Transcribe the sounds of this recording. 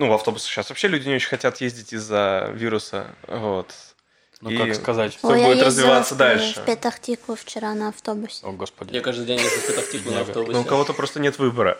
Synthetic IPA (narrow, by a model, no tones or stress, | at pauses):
nuvɐft̪o̞bʊsʲɪ̥ɕasvɐpɕːelʲʉdʲɪnʲɪo̞t͡ɕɪnʲxɐtʲat̪jezʲdʲɪtʲɪzːəvʲiɾʊsə̰vot̪ | nikaskɐzatʲobjadɪj̪ɾəzvʲɪvat̪sːəd̪alʲʂfɨ̰pʲɪt̪ɐktʲikʊft͡ɕɪɾanɐɐft̪obʊsʲoɡospədʲjakaʐd̪ɨɡdʲenʲjesəfpʲɪt̪ɐktʲiklˠʊnɐfobnʊnuʊkɐvo̞t̪əpɾo̞st̪ənʲet̪vɨbəɾə̰